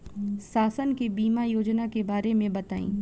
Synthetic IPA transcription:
saːsənkebiːmajoːd͡ʒnakebaːɾemẽbɐt̪aːḭ̃ː

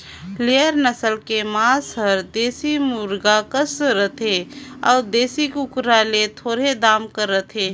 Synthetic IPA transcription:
leəɾnəsəlkemasəɾd̪esimuɾɡakəsɾət̪ea̰ːɾd̪esikukɾalet̪ʰoːɾed̪amkəɾət̪ɦe

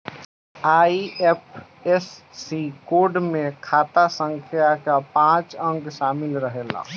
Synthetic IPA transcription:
aːiep̚ʰɛsːikoːɖmẽkʰaːt̪asə̃ŋkʰjakapãːt͡ʃə̃ŋɡʃaːmɪlɾəɦeːla̰

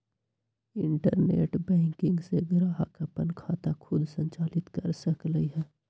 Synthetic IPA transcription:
ɪɳʈəɾnḛːʈbɛ̃ːŋkɪ̃ŋɡseɡɾaːɦakəpənkʰaːt̪akʰʊd̪ʱsə̃ɲt͡ʃaːlɪt̪kəɾsəkləiɦɛː

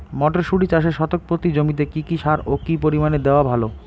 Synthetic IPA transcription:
mɔʈeɾʃuɽit͡ɕaʃeʃɔt̪ok̚pɾot̪id͡ʑomit̪̬ekikiʃaɾokipoɾimaned̪eoabʱalo

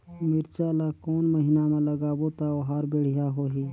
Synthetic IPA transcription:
miɾt͡ʃaːlakoːnməɦinamãlɐɡaːbot̪aoɦaːɾbeːɽ̤ijaɦoːɦiː

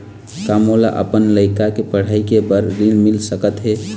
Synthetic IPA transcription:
kamola̰ʔə̰pənləɪkakepəɽ̤aikebəɾɾilmilsəkət̪ɦe

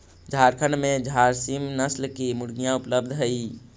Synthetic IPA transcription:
d͡ʒʱaɾkʰəɳɖmed͡ʒʱaɾsimnəslkemuɽɡijãupləb̚d̪ʱɦəj

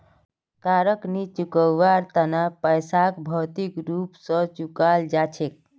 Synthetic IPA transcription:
kaɾəknit͡ʃukəwːaɾt̪ənapəjsakbʱɔt̪ikɾupsə̃t͡ʃukald͡ʒat͡ʃʰek̚

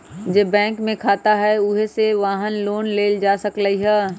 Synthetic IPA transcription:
d͡ʒeːbɛ̃ːŋkmẽkʰaːt̪aɦɛʊɦeseʋaːɦənloːnleːld͡ʒaːsɐkləiɦɛː

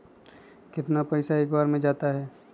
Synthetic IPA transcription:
kɪt̪napɐɪsaeːkbaːɾmẽd͡ʒaːt̪aɦɛː

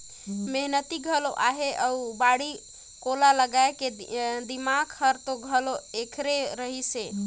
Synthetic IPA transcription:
meɦnət̪iɡʱəloʔaɦeʔəubaɽi | kolaləɡaeked̪imaɡʰhəɾt̪oɡʱəloekʰɾeɾəɦise

